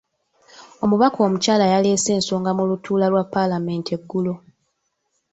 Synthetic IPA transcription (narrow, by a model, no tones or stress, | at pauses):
o̞muβako̞ːmucaːlajale̞ːse̞ːnsoːŋɡamulutʰuːlalwapːalame̞ːnteɡːulo